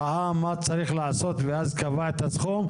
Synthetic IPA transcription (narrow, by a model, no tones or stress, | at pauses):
amːat͡saɾiχlaaso̞t̪veazkavaet̪asχum